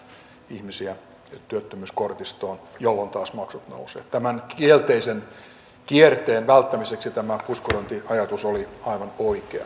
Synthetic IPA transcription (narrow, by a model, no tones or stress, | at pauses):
ihmisiæ | t̪yøt̪ːømyːskort̪ist̪oːnjolːont̪ɑːsmɑksut̪no̰usḛːtt̪æmænkielt̪eisen | kiert̪eːnʋælt̪ːæmiseksit̪æmæpuskoront̪iɑjɑt̪usoliɑiʋɑnoikeɑ̰